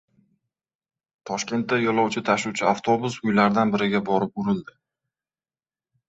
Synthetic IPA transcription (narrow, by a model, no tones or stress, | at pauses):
t̪ʰɒʃkʲe̞nt̪ːajɒlˠɒwt͡ʃʰɪt̪ʰaʃuwt͡ʃʰɪaft̪ʰo̞bʊsʊjlaɾd̪anbɪɾɪɡʲabɒɾɪp̚ʊɾɪld̪ɪ